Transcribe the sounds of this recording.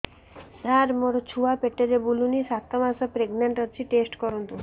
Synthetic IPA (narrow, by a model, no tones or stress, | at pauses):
saɾmoɾɔt͡ɕʰuapeʈːeɾebulunisat̪ːɔmasɔpɾeɡnaɳʈʌt͡ɕʰiʈesʈkɔɾɔnt̪u